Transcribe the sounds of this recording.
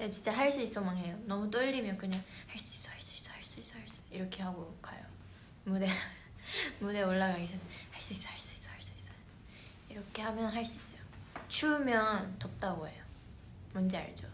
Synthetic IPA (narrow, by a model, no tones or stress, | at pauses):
det͡ɕint͡ɕ͈aɦaɭs͈uis͈ʌmaŋɦe̞jonʌmut̬͈ɯʎːimjʌnkɯɲaŋhaɭs͈uis͈ʌ̥haɭs͈u̥is͈ʌhaɭs͈uis͈ʌhaɭs͈u̥iɾʌkʰe̞haɡoka̰jo | mude | mude̞oɭːaɡaɡesʰʌnenhaɭs͈uis͈ʌ̥haɭs͈uis͈ʌ̥haɭs͈uis͈ʌ | iɾʌkʰe̞hamjʌnɦaɭs͈uis͈ʌjot͡ɕʰumjʌntʌp̚t͈aɡoɦe̞̰jo | mʌnd͡ʑea̰ɭd͡ʑo